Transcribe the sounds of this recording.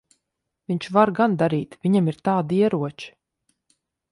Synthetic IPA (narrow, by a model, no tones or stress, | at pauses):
vʲiɲt͡ʃvaɾɡand̪aɾiːt̪vʲiɲamiɾt̪aːd̪iɛɾuɔt͡ʃi̥